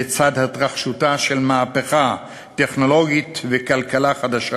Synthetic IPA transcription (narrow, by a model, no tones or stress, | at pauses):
et͡sad̪hat̪ʁaχʃutaʃelmaːpeχa | t̪e̞χno̞lo̞ɡit̪vekalkalaχad̪aʃa